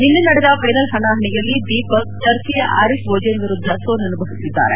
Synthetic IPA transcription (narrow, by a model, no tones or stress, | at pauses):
ninːunɐɽɛd̪ɐfɐjnɐlɦɐnaːɦɐɳijɐlːid̪iːpɐkt͡ʃɐɾtijɐʔɐɾisbʱoːd͡ʒɐnʋiɾud̪ʱːɐsoːnɐnubʱɐʋist̪ːid̪ːa̰ːɾe